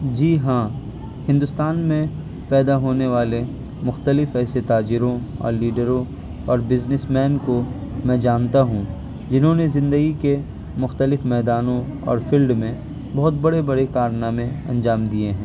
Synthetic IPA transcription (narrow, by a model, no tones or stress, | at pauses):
d͡ʒiːɦãː | hɪ̃nd̪ʊst̪aːnmẽ | pɛːd̪aɦoːneʋaːle | mʊxt̪əlɪfɛːset̪aːd͡ʒɪɾõɔ̰ːɾliːɖəɾõ | ɔːɾbɪznɪsmɛːnko | mɛ̃ːd͡ʒaːnt̪aɦũː | d͡ʒɪnɦõnezɪ̃nd̪əɡike | mʊxt̪əlɪfmɛːd̪aːnõ | ɔ̰ːɾfʰiːlɖmẽ | bɐɦʊt̪bɐɽebɐɽekaːɾnamẽɐ̰̃nd͡ʒaːmd̪ieɦɛ̃ː